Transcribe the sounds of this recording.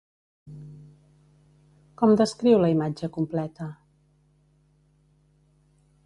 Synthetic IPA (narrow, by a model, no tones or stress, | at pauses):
kɔmd̪əskɾiwləimad͡ʒəkumplɛt̪ə